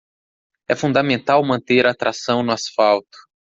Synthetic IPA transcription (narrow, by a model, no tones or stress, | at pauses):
ɛfũnd̪ɐmẽnt̪awmɐ̃nt̪eɾaːt̪ɾasɐ̃w̃nʊasfawt̪ʊ̥